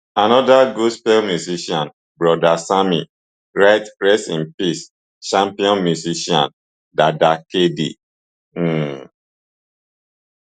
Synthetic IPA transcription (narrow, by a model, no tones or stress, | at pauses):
anɔdaɡospɛlmjuziʃiɔ̃n | bɹɔdasami | ɹaɪtɹɛstĩnpis | ʃãmpiɔ̃nmjuziʃiã̰n | dadakedḭ